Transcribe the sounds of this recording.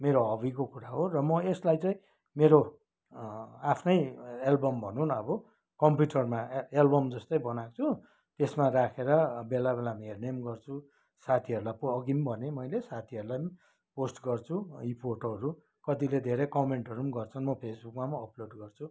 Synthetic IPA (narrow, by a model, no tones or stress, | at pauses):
meɾoɦʌbikokuɾaɦorʌmʌeslajt͡sãĩ | meɾo | apʰnʌjelbʌmbʱʌnunʌbʌ | kʌmpjuʈʌrmaelbʌmd͡zʌst̪ʌjbʌnakt͡sʰu | t̪esmarakʰeɾʌbelabelamɦernemɡʌrt͡sʰu | sat̪ʰiʌɾulajpːɡimbʱʌnemʌjlesat̪ʰiʌɾulajm | posʈɡʌrt͡sʰuipʰoʈʌɾu | kʌt̪iled̪ʱeɾekʌmeɳʈʌɾumɡʌrt͡sʰʌnmʌpʰesbukmamʌːploɖɡʌrt͡sʰu